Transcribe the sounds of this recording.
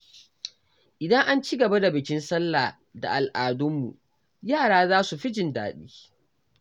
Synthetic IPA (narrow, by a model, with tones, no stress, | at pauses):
ʔɪ˨dɐ˦ŋʔa˦nt͡ʃi˦ɡɐ˨ba˦da˨bɪ˨kʲɪ˦nsɐ˦lːaː˨ | da̰˨ʔa˨lʔaː˨dʊ˦mːṵ˨ | jaː˦˨ɽaː˦zaː˦su˨ɸɪ˦d͡ʒɪ˨nda̰ː˨ɗiː˦